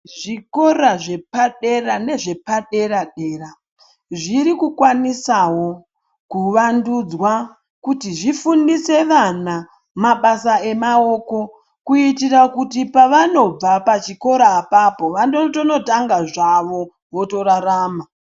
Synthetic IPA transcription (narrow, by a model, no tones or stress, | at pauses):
ʐiko̞raʐe̞paɗe̞rane̞ʐe̞paɗe̞ɾaɗe̞ːra | ʐiɾikukwanisawo̞ | kuʋandud͡zwa | kutiʐifundise̞ʋana | maɓasae̞mao̞ːko̞ | kuitirakutipaʋano̞b͡vapat͡ʃiko̞ɾaːpapo̞ʋandotono̞taŋɡaʐaʋo̞ | ʋo̞to̞ɾaɾaːma